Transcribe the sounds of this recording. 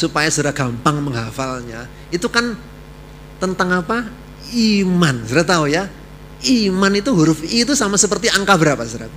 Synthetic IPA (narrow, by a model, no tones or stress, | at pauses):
supajasuɾaɡ̥ampaŋməŋɦafalɲa | it̪ukan | t̪ənt̪aŋapa | imansəɾat̪auja | imanit̪uɦuɾʊfit̪usamasəpərt̪iaŋkabəɾapasəɾa